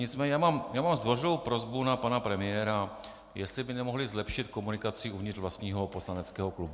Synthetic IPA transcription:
ɲɪt͡smɛːɲɛjaːmamjaːmamzd̪vo̞rɪlowpɾo̞zbunapanapɾɛmɪjɛːɾa | jɛslɪbɪnɛmo̞ɦlɪzlɛpʃɪt̪̚ko̞munɪkat͡sɪʔuvɲɪrvlast̪ɲiːɦo̞po̞slanɛt͡skɛːɦoklubu

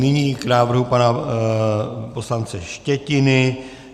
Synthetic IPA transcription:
nɪɲiːknaːvr̩ɦupana | po̞slant͡sɛʃcɛcɪnɪ

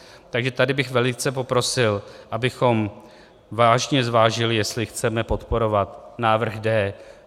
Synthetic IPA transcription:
t̪aɡʒɛt̪adɪbɪxvɛlɪt͡sɛpo̞pɾo̞sɪlʔabɪxo̞m | vaːʒɲɛzvaːʒɪlɪjɛst̪lɪxt͡sɛmɛpo̞t̪po̞ɾo̞vat̪naːvr̩ɣdɛː

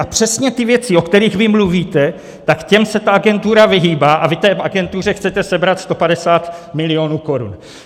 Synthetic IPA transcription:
ʔapr̝̥ɛsɲɛt̪ɪvjɛt͡sɪo̞kt̪ɛɾiːɣvɪmluviːt̪ɛ | t̪akcɛmsɛt̪aʔaɡɛnt̪uɾavɪɦiːbaːʔavit̪ɛːʔaɡɛnt̪ur̝ɛxt͡sɛt̪ɛsɛbɾat̪st̪o̞padɛsaːt̪mɪlɪo̞ːnuːko̞ɾṵn

